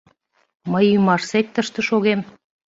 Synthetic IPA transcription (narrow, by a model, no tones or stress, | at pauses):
məjymɑʃsek̚t̪əʃt̪ə̆ʃoɣem